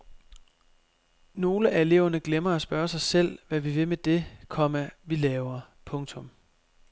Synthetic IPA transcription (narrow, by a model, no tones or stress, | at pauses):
no̝ːləʔæe̝le̝̰ːʊ̰ɐnəɡ̥lemɐæsb̥ɶɐsɑ̈ɪsel̰ʋæʋiʋe̝med̥e̝kʰɒ̽m̰ɐʋilɛːʊɐ | pʰɔ̽ŋt͡sʰɔ̽m